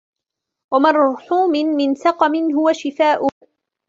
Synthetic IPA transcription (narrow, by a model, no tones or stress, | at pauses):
wamɑɾˤħuːmɪnmɪnsɑqɑmɪnɦʊwaʃɪfaːʔʊ